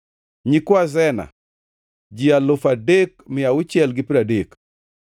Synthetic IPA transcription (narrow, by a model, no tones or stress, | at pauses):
ɲikwazɛna̰ | d͡ʒialʊfadekmɪjaʊt͡ʃjɛlɡɪpiɾadek